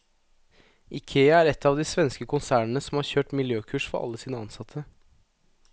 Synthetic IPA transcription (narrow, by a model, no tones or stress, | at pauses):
ʔɪkʰeːəæːɾɛt̪ʰːɑːʋd̪iːsʋɛnskəkʰʊnsæːɳənəsɔmhɑːɾçøːʈmɪljøːkʰʉːʂfɔɾʔɑ̰lːəsiːnəɑnsɑt̪ʰə